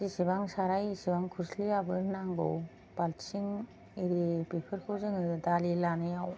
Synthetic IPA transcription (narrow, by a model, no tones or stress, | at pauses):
isibaŋsaɾajsibaŋkʰuɾsliabɯnaŋɡo̰w | b̥alt͡ʃʰiŋ | iɾibipʰɯɾkʰɯwzɯŋɯdalilanɯjaw